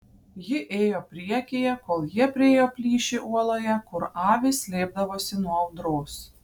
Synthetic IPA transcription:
jɪʔeːjoːpʲɾʲiɛkʲeːjɛkoːlˠjiɛpʲɾʲɪeːjoːpʲlʲiːʃʲɪʔuɔlˠoːjɛkʊɾɑːʋʲɪsʲlʲeːb̚d̪ɐʋoːsʲɪnuɔɐʊd̪ɾoːs

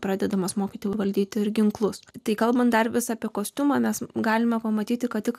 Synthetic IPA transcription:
pɾɑːd̪ʲɛd̪ɐmɐsmoːkʲit̪ʲoʋɐlʲd̪ʲiːt̪ʲɪɪɾɡʲɪŋklˠʊst̪ɐɪkɐlˠbɐnt̪d̪ɐrʋʲɪsɐɐpʲiɛkoːsʲt̪ʲʊmɐmʲɛsɡɑːlʲɪmɐpɐmɐt̪ʲiːt̪ʲɪkɐtt̪ʲɪk

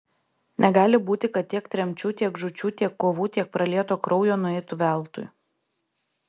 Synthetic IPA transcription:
nʲɛɡɑːlʲɪbuːt̪ʲɪkɐt̪̚t̪ʲiɛkt̪ʲɾʲɛmʲt͡ʃʲuːt̪ʲiɛɡʒʊt͡ʃʲuːt̪ʲiɛkːoːʋuːt̪ʲiɛk̚pɾɐlʲiɛt̪oːkɾɔʊjoːnʊɛɪt̪ʊʋʲæˑlˠˑt̪ʊ̰j

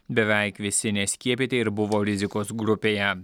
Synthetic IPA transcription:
bʲɛʋʲɛɪkʋʲɪsʲɪnʲɛsʲkʲiɛpʲɪt̪ʲeɪɾbʊʋoːɾʲɪzʲɪkoːsɡɾʊpʲeːjɛ

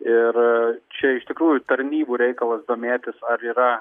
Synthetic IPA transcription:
ɪrt͡ʃʲɛɪʃt̪ʲɪkɾuːjʊt̪ɐɾʲnʲiːbuːɾʲɛɪkɐlˠɐsd̪oːmʲeːt̪ʲɪsɐɾiːɾɐ

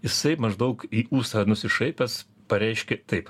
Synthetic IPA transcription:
jɪsɐɪmɐʒd̪ɐʊkiːuːst̪ɐnʊsʲɪʃɐɪpʲɛs | pɐɾʲɛɪʃʲkʲɛt̪ɐɪp

